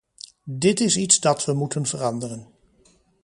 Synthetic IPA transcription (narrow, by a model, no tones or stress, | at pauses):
dɪtɪsitsdɑtʋəmutənvərɑndərən